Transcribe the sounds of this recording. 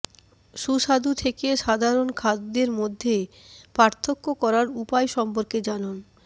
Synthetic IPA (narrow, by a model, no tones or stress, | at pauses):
ʃuʃad̪ut̪ʰekeʃad̪ʱaɾonkʰad̪ːeɾmod̪ʱːe | paɾt̪ʰokːokɔɾaɾupaeʃɔmpoɾked͡ʑanan